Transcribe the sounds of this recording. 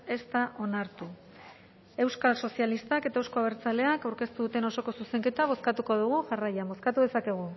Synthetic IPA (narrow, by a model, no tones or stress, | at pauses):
e̞st̪aʔo̞naɾt̪u | e̞wskalso̞sjalist̪ake̞t̪aewsko̞aβeɾt͡sale̞akawɾke̞st̪uðut̪e̞no̞so̞ko̞suse̞ŋke̞t̪aβ̞o̞skat̪uko̞ðuɣ̞uʝarajambo̞skat̪uðe̞sake̞ɣ̞u